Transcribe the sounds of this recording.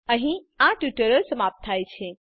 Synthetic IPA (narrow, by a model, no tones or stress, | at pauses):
əɦĩ | ãʈjuʈəɾəɾsəmap̚t̪ʰajt͡ʃʰɛ